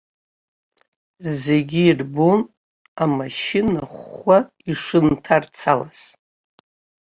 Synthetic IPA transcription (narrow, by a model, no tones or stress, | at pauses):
ze̞ɡʲiːrbon | amaʃinaχʷa | iʂɨntʰart͡sʰalaz̥